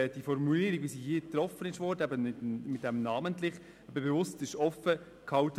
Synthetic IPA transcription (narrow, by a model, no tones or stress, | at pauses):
d̥ifɔɾmuliːəɾiɡʋisihiːt̪ɾɔfənɪʃʋɔːɾdəæbəɪtmɪt̚dɛmnaːməntlɪχ | ɛbəbevʊstɪʃɔfə | kʰɑwt